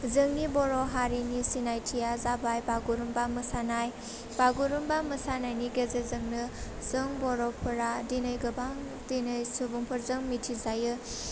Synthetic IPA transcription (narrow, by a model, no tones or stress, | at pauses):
zɯŋnibɔɾɔɦaɾinisinajtʰijazabajbaɡuɾumbamɯsanaj | b̥aɡuɾumbaməsanajniɡezezɯŋnɯz̥ɯŋbɔɾɔpʰɯɾadinɯjɡɯbaŋ | dinɯjsubuŋpʰɯɾzɯŋmitʰizajɯ